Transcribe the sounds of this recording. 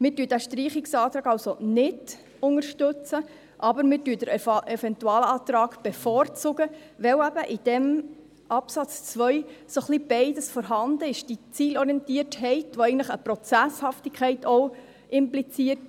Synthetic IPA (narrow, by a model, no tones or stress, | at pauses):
mɪːtyːdæʃtɾiːχɪksɑːt̪ɾɑːɡɑlsonɪd̥ | ʊŋəɾʃtɵt͡sə | ʔɑbəɾmɪːtyːd̥əɾɛfɛntuɑːlɑːt̪ɾɑːɡb̥efɔːɾt͡sʊɡə | ʋɛwæbəʔɪd̥ɛm | ʔɑpsɑt͡st͡sʋœʏsoχlib̥ɛɪdəsfɔɾɦɑndəɪʃd̥it͡siːlɔɾiɛntiəɾthɛɪtʋoɛɪɡntləχəpɾɔt͡sæshɑftɪkʰɛɪtʰɔ | ʔɪmplit͡siət